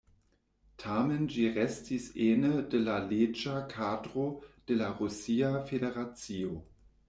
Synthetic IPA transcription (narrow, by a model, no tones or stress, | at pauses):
tʰamend͡ʒiʁɛstʰiseːnədelaled͡ʒakʰaːdʁod̥elaʁusiːafedeʁat͡sio